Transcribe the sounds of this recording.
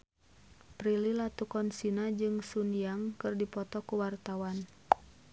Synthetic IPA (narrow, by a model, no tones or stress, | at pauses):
pɾililat̪ukɔnsinad͡ʒɨŋsunijaŋkɨrdipɔt̪ɔkuwart̪awan